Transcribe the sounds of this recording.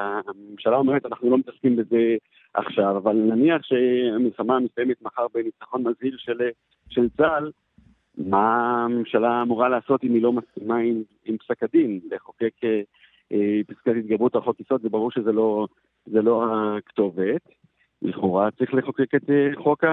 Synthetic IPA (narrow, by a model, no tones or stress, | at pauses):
amemʃalao̞meʁetanaχnulo̞met̪askimbe̞ze̞ | ʔa̰χʃavavalnaniaχʃe̞amilχamamisajemet̪maχaʁbenit͡saχo̞nmazhilʃel | ʃe̞lt͡sal | mame̞mʃalaːmuʁalaːso̞timilo̞maskimaim | impsakadimleχoke̞ke | episkatit̚ɡabʁutaχokiso̞tvebaʁuʁʃezelo̞ | zelo̞akto̞vet̪ | bḭχuʁat͡sʁiχle̞χoke̞ket̪eχo̞ka